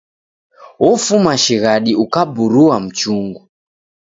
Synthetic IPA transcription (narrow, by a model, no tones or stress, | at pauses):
wɔfumaʃiɣaɗiukabuɾuwam̩t͡ʃuŋɡu